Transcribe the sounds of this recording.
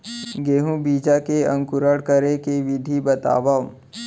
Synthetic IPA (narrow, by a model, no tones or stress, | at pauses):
ɡeːɦũbiːd͡ʒakeɐ̃ŋkʊɾəɽkəɾekeʋɪd̪ʱibɐt̪a̰ːʋã